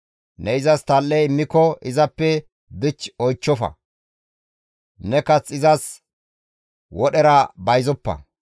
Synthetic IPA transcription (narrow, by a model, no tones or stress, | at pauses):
nɛɪzɐst̪ɐlːɛjɪmːɪkɔɪzɐpːɛ | d̪ɪt͡ʃːɔjt͡ʃːɔfɐ̰ | nɛkɐt͡sɪzɐs | wɔɗɛɾɐbɐjzɔpːɐ̰